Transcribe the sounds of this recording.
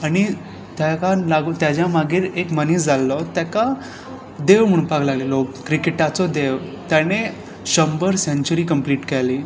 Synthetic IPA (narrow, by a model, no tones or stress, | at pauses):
añi | t̪jakalaɡut̪jad͡ʑjamaɡiːɾekmənisd͡zalːɔt̪jaka | d̪eʋm̤əɳ̃upaklaɡlelɔkɾikeʈat͡sɔd̪eʋt̪jane | ɕəmbəɾsẽɲt͡ɕuɾikəmpliːʈkɛli